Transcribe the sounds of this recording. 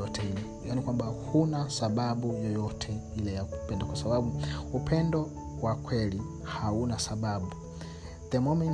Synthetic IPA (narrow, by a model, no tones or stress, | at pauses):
ɔtʰɛilɛ | jaːnikwambahunasaɓaɓujɔjɔtʰɛilɛjaku̥pɛndɔkwasaɓaɓuupʰɛndɔ | wakʰwɛli | haunasaɓaɓu | ðɛmɔmɛn